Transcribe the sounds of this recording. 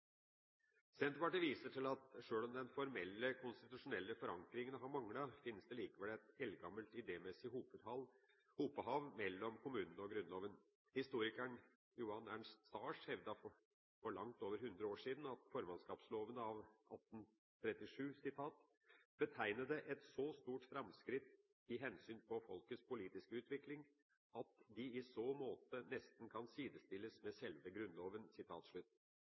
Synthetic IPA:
sɛnt̪ʋɑʈəʋiːsəʈʰɪlɑt̪ʂøːɭɔmd̪ɛnfɔɾmɛlːəkʰʊnst̪ɪt̪ʉʂʊnɛlːəfɔɾɑŋkɾɪŋənɦɑɾmɑŋlɑfɪnːəsd̪ɛliːkəʋɛlɛt̪ɛlɡɑməlt̪ɪd̪eːmɛsɪhuːpəd̪ɑl | huːpəɦɑʋmɛlːɔmkʰʊmʉːnənəɔɡɾʉnloːʋən | hɪst̪uːɾɪkəɳ | juːɑnæɳst̪st̪ɑːʂhɛʋd̪ɑɔ | fɔɭɑŋt̪oːʋəɾhʉnd̪ɾəoːʂiːd̪n̩ɑt̪fɔɾmɑnskɑːpsloːʋənəɑʋʔɑ̰t̪n̩ | t̪ʰɾɛt̪ːɪʂʉːsɪt̪ʰɑːt̪ | bət̪ʰæɪnəd̪əʔɛt̪sɔst̪uːʈfɾɑmskɾɪt̪ | ɪɦɛnsyːnpʰɔfɔlkəspʊliːt̪ɪskəʉːt̪ʋɪklɪŋ | ɑt̪d̪ɪɪsoːmoːt̪ənɛst̪n̩kʰɑnsiːd̪əst̪ɪlːəsmɛsɛlʋəɡɾʉnloːʋənsɪt̪ʰɑːt̪ʂɭʉt̪ː

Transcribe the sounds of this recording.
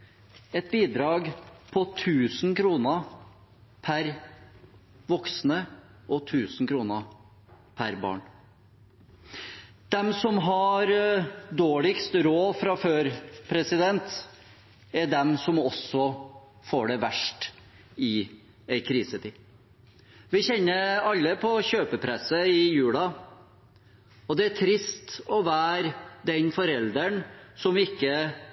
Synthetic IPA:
ɛt̪̚biːd̪ɾɑːɡpʰɔt̪ʰʉːsnkʰɾuːnə | pʰæɾ | ʋɔksnəɔt̪ʰʉːsn̩kʰɾuːnə | pʰæɾbɑ̰ːɳ | d̪̥ɛmsɔmɦɑɾd̪oːɭɪkst̪ɾoːfɾɑføːɾpʰɾɛsɪd̪ɛnt̪ | æɖɛmsɔmɔsɔ | foːɖɛʋæʂʈ | ɪ | æɪkʰɾiːsət̪ʰiː | ʋɪçɛnːəɾɑlːəpʰɔɕøːpəpʰɾɛsəɪjʉːlɑ | ɔd̪ɛæʈʰɾɪst̪ɔʋæːɾd̪ɛnfɔɾɛld̪əɳsɔmɪkːə

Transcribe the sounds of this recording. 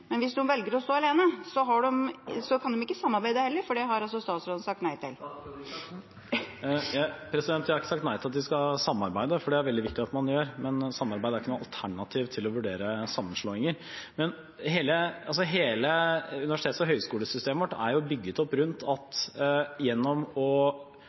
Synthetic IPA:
mɛnʋɪsnuːənʋɛlɡəɾɔst̪oːɑleːnəsɔɦɑɖɛmsɔkʰɑnd̪ɛmɪkːəsɑmːɑɾbæɪd̪əhɛlːəɾfɔɖɛɦɑɾɑlsɔst̪ɑːt̪sɾoːd̪n̩sɑk̚t̪næɪt̪ʰɪ̰l | jpʰɾɛsɪd̪ɛnt̪jhɑɾɪkːəsɑkt̪næɪt̪ɪlɑt̪d̪ʋɪskɑsɑmːɑɾbæɪd̪əfɔɖɛæɾʋɛlɪʋɪkt̪ɪɑt̪mɑnjøːɾmɛnsɑmːɑɾbæɪd̪æɾɪkːənuːɑlt̪ʰæɳɑt̪ʰiːʋt̪ʰɪlɔʋʉɖeːɾəsɑmːənʂɭoːɪŋəɾ | mɛn | ɦeːləɑls̬ɔɦeːləʉnɪʋæʂɪt̪eːt̪sɔɦœʏskuːləsʏst̪eːməʋɔʈːæ̰ɾjʊbʏɡːət̪ɔpːɾʉnt̪ʰɑt̪jɛnːɔmɔ

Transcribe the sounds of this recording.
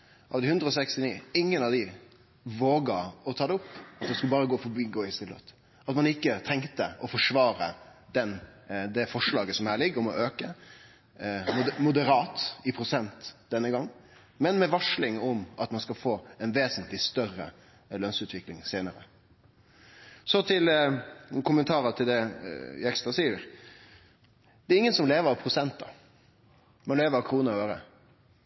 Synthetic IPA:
ʔɑ̰ʋd̪ɪhʉnd̪ɾəɔːsɛkst̪ɪniːɪŋːənɑʋd̪ɪ | ʋoːɡɑɔt̪ʰɑːd̪ɛʊpːɑt̪̚d̪ɛskʉləbɑːɾəɡoːfɔbiːɡoːɪst̪ɪlə̰t̪ | ɑt̪mɑnɪkːət̪ʰɛŋt̪əɔfɔʂʋɑːɾəd̪ɛnd̪ɛfɔʂlɑːɡəsɔmhæːɭɪɡʊmɔʔøːkə | mʊd̪əɾɑːt̪ɪpʰɾʊsɛnt̪d̪ɛnːəɡɑŋː | mɛnmɛʋɑʂlɪŋɔmɑt̪mɑnskɑfoːɛnʋeːsənt̪lɪst̪œrə̰ | lœnsʉːt̪ʰʋɪklɪŋseːnəɾə̰ | sɔt̪ʰɪl | kʰʊmənt̪ʰɑːɾət̪ʰɪld̪ɛɛkst̪ɑsiːəɾ | d̪ɛɾɪŋːənsɔmleːʋəɾɑʋpʰɾʊsɛnt̪̚d̪ɑ | mɑnleːʋəɾɑʋkʰɾuːnəøːɾə

